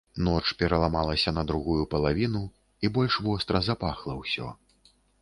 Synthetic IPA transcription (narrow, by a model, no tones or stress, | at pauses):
nɔt͡ʂpʲɛɾɐlˠamalˠɐsʲɐnɐd̪ɾuɣujupɐlˠavʲinu | ibɔlʲʂvɔst̪ɾɐzapaxlˠɐwsʲɔ̰